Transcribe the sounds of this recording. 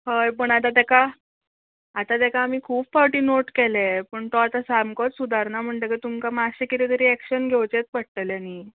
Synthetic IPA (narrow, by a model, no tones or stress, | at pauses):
həjpəɳat̪at̪ɛka | at̪at̪ɛkaːmiːkʰuːbfawʈiːnoʈkɛlepəɳt̪ɔat̪asamkɔt͡ssud̪ʱaɾnam̤əɳt̪ekit̪umkamaɕekit̪it̪əɾiɛkɕənɡʱewt͡ɕet̪̚pəɽ̚t̪əljani